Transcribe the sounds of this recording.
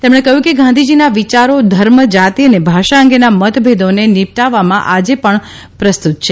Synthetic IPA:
t̪emɽ̃ekəɦjũkeɡãnd̪ʱid͡ʒinaʋit͡ʃaɾod̪ʱəɾməd͡ʒat̪iənebʱaʃaə̃ŋɡenamət̪bʱed̪onenipʈaʋːamãʔad͡ʒepəɳ | pɾəst̪ut̪̚t͡ʃʰe

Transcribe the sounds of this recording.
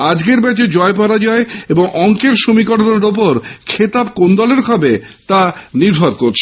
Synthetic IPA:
ad͡ʑɡeɾbɛt͡ɕed͡ʑɔep̬ɔɾad͡ʑɔeeboŋʔɔŋkeɾʃomikɔʈonaɾopoɾkʰet̪abkond̪ɔleɾkʰɔbet̪aniɾbʱɔɾkoɾt͡ɕʰe

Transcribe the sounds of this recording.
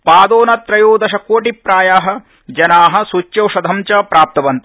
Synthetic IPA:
paːd̪oːnɐt̪ɾɐjoːd̪ɐʃɐkoːʈipɾaːjaːɦɐ̆ | d͡ʒɐnaːɦɐ̆sut͡ʃjɐwʂɐd̪ʱɐmt͡ʃɐpɾaːp̚t̪ɐʋɐnt̪ɐ

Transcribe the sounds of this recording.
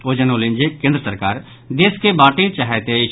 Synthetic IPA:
oːd͡ʒənoːlɪ̃nd͡ʒekẽːnd̪ɾəsəɾkaːɾ | d̪eːskebaːʈit͡ʃaːɦɛt̪eɪ

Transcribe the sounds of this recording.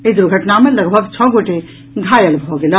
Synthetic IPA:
ed̪uɾuɡʱəʈnameləɡbʱəɡt͡ʃʰɔɡoʈe | ɡʱajəlbʱɔɡelə

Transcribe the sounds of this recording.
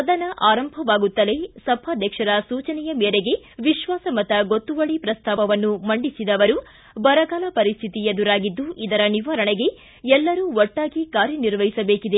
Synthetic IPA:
ɐd̪ɐnɐʔaːɾɐmbʱɐʋaːɡut̪ːɐle̞sɐbʱaːd̪ʱjɐkʂɐɾɐsuːt͡ʃɐnɛjɐmeːɾeɡe̞ʋiʃʋaːsɐmɐt̪ɐɡot̪ːuʋɐɭipɾɐst̪ʰaːʋɐʋɐnːumɐɳɖisid̪ɐʋɐɾu | bɐɾɐɡaːlɐpɐɾist̪ʰit̪ijɐd̪uɾaːɡid̪ːuʔid̪ɐɾɐniʋaɾɐɳeɡe̞ | ɛlːɐɾuːɔʈːaːɡikaːɾjɐniɾʋɐɦisɐbeːkid̪e̞

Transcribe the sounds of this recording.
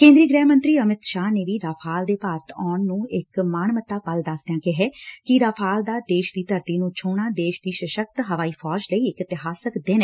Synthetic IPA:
kẽːnd̪ɾiːɡɾɛːmə̃nt̪ɾiːəmɪt̪ʃaːneːʋiːɾaːpʰaːld̪eːpaːɾt̪ʰɔːɳnũːɪkmaːnmət̪aːpəld̪əsd̪ejãːkɪɦɛːkɪɾaːpʰaːld̪aːd̪eːʃd̪iːt̪əɾt̪iːnũːt͡ʃʰuːɳaːd̪eːʃd̪iːʃəʃək̚t̪ɦəʋaːiːpʰɔːd͡ʒləiːɪkɪt̪ɪɦaːsəkd̪ɪnː

